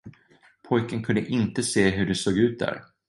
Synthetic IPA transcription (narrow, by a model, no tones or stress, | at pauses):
pʰɔjkənkʰɵnd̪əʔɪnt̪əseːɦɵɖɛsoːɡʉ̟ːt̪̚d̪æ̰ɾ